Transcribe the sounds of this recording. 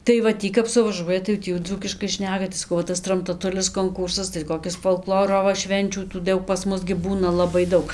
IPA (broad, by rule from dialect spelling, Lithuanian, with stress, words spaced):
tɐɪ ʋɐ ˈtʲiː kɐp sʊʋɐˈʒuɔjɛ tɐɪ jɛʊ ˈtʲiː jɛʊ ˈd͡zuːkʲɪʃkɐɪ ˈʃʲnʲæːkɐ tɐɪ sɐˈkɐʊ ʋɐ ˈtɐs trɐmtɐˈtʊlʲɪs koːŋˈkuːrsɐs tɐɪ koːˈkʲɪs foːlˠˈklˠoːroː ʋɐ ˈʃʲʋʲɛnʲt͡ʃʲuː tuː ˈdɐʊk pɐs ˈmʊs ɡʲɪ ˈbuːnɐ ˌlˠɑːbɐɪ ˈdɐʊk